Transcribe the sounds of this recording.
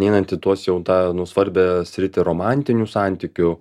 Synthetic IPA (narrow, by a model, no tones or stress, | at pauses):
nʲɛɪnɐnt̪ʲɪt̪uɔsjɛʊt̪ɑːnʊsʋɐɾʲbʲɛsʲɾʲɪt̪ʲɪɾoːmɑˑnʲt̪ʲɪnʲuːsɑˑnʲt̪ʲiːkʲʊ